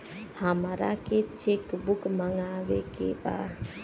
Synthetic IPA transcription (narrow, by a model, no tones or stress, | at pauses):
həmɾaket͡ʃekbukməŋɡaʋekḛba̰